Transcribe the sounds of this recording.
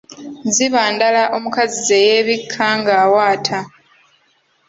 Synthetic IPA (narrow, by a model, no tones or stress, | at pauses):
ziβaːndalaʔo̞mukazizejeːβikʰːaŋɡaːwaːtʰa